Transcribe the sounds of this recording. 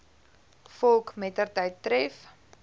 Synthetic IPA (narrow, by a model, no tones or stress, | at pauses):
fɔlˠkmɛtərtəjtːrɛf